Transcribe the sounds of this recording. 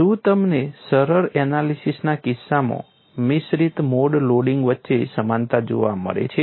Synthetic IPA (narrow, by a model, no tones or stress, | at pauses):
ũt̪əmnesəɾəɾɛnalisisnakisːamõ̰ | misɾit̪moɖloɽiŋɡʋətːʃesəmant̪ad͡ʒo̰ʋa̰mə̰ɭḛt͡ʃʰe